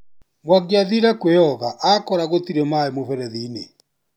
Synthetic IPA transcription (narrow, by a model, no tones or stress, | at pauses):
mwaɡjaðiɾɛkweɔɣaʔakɔɾaɣot̪iɾemaemofɛɾɛðiːnḛ